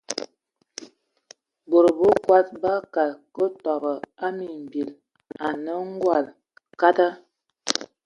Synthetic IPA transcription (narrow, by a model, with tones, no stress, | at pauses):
bo˨ɾə˨bə˦kwa˦t̚ba˦ka˨lkə˦tɔ˨bə˨a˦mi˨m̩˨bi˨l | a˨nə˦ŋ̩˦ɡwa˨l | ka˦ta˦